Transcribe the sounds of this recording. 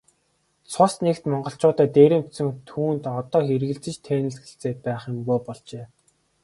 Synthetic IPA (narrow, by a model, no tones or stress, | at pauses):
t͡sʰʊsnekt̪mɔɴɢɞ̆ɬt͡ɕʊːt̪æːt̪eːɾĕm̥t̪sɘ̆ŋt̪ʰuːnt̪ɔt̪ɔːxerɣɘ̆ɮt͡sɘ̆t͡ɕt̪ʰeːnɘ̆ɮsɡĕɬt͡seːt̪̚pæːχjʊ̆mɣuːpɔɮt͡ɕeː